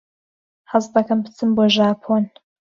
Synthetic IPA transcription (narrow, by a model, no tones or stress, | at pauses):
ħazd̪ɐkʰɐmpt͡sʰɨmbɔʒaːpʰon